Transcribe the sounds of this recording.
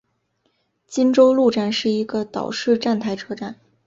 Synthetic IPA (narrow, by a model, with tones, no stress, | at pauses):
t͡ɕi˥nʈ͡ʂo˥ʊlu˥˧ʈ͡ʂa˥˧nʂɻ̩˥˩i˧˥ɡə˧t̪ɑ̰˨˩ʊʂɻ̩˥˧ʈ͡ʂa˥˩nt̪ʰa˥˩ɪʈ͡ʂʰɤ˥ʈ͡ʂa˥˩n